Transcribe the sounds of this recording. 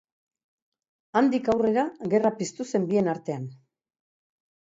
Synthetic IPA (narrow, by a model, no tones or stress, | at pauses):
and̪ikawre̞ɾaɣe̞rapist̪use̞mbie̞naɾt̪e̞an